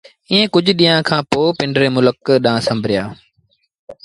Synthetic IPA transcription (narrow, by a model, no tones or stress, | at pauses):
iːẽːkʊd͡ʑʱɗiːãːkʰãːpoːpɪ̃ɳɖɾeːmʊləkɗãːsɐ̃mbʱɾɪjaː